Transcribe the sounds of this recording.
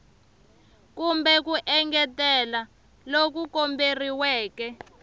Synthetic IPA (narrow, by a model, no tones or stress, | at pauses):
kumbɛkuʔɛŋɡɛtɛla | lok̬ukomberiwɛːkɛ